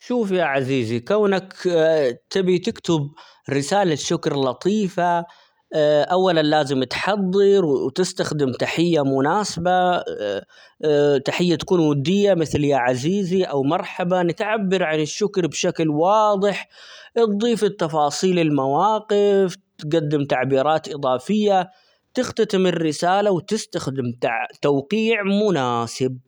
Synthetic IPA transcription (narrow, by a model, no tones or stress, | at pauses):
ʃuːfjaːʕaziːzikaːnak | t̪ɪbit̪ɪkt̪ɪb | ɾɪsaːlaʃːʊkɾlɑt̪ˤiːfa | ʔawːalanlaːzɪmt̪ħɑd̪ˤːɨɾwwt̪ɪst̪axd̪ɪmt̪aħɪjːamʊnaːsaba | t̪aħɪjːat̪ḁkuːnwʊd̪ːɪjːamɪθljaʕaziːziʔawmɑɾˤħabanɪt̪ʕabːɑɾʕanɪʃːʊkɾbʃaklwɑːd̪ˤɨħ | ʔt̪̚ðˤiːfɪt̪ːɑfɑːsˤiːlɪlmawɑːqɪft̪ɡad̪ːɪmt̪aʕbiːɾɑːt̪ʔɨd̪ˤɑːfɪjːa | t̪ɪxt̪at̪ɪmɪrːɪsaːlawt̪ɪst̪axd̪ɪmt̪ʕt̪awqiːʕmʊnaːsɪb̚